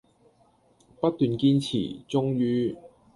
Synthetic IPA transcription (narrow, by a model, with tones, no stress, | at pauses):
pɐ˥t̚t̪yː˨nkiː˧nt͡sʰḭː˨˩t͡sʊ˥ŋjyː˧